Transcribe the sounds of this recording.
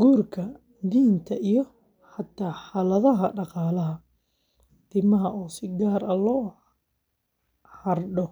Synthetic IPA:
ɡuːrkʰɐ | d̪iːnt̪ʰɐʔijɔ | ħɐt̪ʰːaːħɑlɐðɐɦɐɖɑqɑːlɐɦɐ | t̪ʰɪbmɐɦɐʔuːsɪɡaːɾɐlɔː | hɐrɖɔ

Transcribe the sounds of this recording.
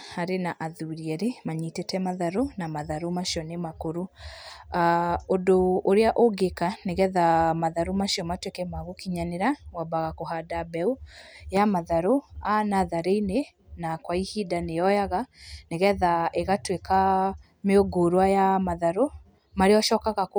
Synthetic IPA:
haɾenaʔaðuɾiɛɾemaɲitetɛmaðaɾonamaðaɾomaʃiɔnemakoɾo | aondoːɾeaʔoɡekaneɣɛðamaðaɾomaʃiɔmatwekɛmaɣokiɲaneɾawabaɣakoɦadabɛujamaðaɾoanaðaɾeine | nakwaihidanejɔjaɣaneɣɛðaeɣatweka | meoɡoɾwajamaðaɾo | maɾeɔʃɔːkaɣak

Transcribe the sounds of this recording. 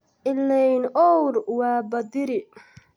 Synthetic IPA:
ʔɪlːɛjnʔɔwɾwɑːbɐd̪ɪɾɪ

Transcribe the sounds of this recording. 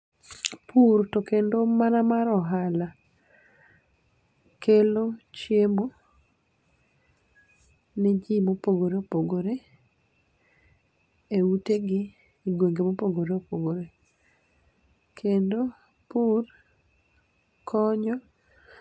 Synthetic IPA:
pʰuɾtokendomanamaɾɔɦala | kelot͡ʃjemo | nɛd͡ʒimopoɡoɾeopoɡoɾe | euteɡɪ | iɡweŋɡemopoɡoɾeopoɡoɾe | kʰendo | pur | kʰɔɲɔ

